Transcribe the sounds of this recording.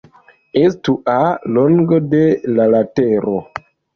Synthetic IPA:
estuʔaloŋɡode̞lalateɾo

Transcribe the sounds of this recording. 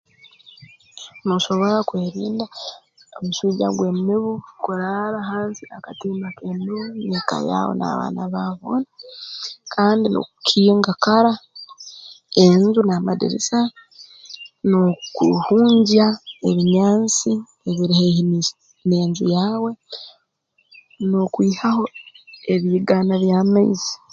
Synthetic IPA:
noʃo̞βo̞ɾakweːɾiːnda | omuʃuːɟa̰ɡwe̞mmiβukuɾaɾaɦaːnsiakatimakemiβuneka̰ja̰ːwo̰na̰βa̰ːnaβaβo̰ːna | kʰaːndino̰ukʰiːŋɡakaɾa | eɲzunaːmadḛɾesa | nokuhuːɲɟae̞βiɲaːnt͡si | eβiɾihein | ne̞ːɲzujaːwe̞ | nokwiːhaho̞e̞βiːɡaːnaβjaːmaizi̥

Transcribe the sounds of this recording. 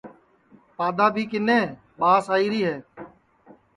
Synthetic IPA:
paːd̪aːbʱiːkɪnẽː | ɓaːsaːiːɾiːɦɛː

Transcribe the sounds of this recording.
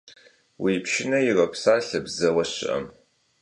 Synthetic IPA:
wiːpʰʃɪnɐjɪrɐpʰsaːɬɐbzɐwɐɕɪ̰ʔɐ̰m

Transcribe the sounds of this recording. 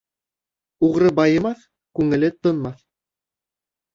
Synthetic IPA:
uʁɾɤbɑjɤ̆mɑθ | kʉŋɘ̆lɘt̪ɤ̆nmɑθ

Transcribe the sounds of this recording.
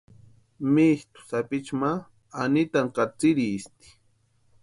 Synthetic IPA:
mist̪ʊ̥sapit͡ʃma | anit̪aŋqat͡siɾist̪i̥

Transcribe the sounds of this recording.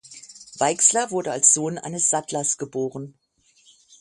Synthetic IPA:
v̥aɪkslɐvʊɐdəalsz̥oːnʔa̰ɪnəsz̥atlɐsɡ̥əboːʁən

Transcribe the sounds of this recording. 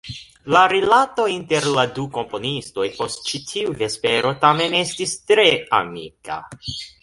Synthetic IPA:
laɾilato̞inte̞ɾladuko̞mpo̞nisto̞jpo̞st̚t͡ʃitʰiuve̞spe̞ɾo̞tame̞ne̞stistɾe̞a̰mika̰

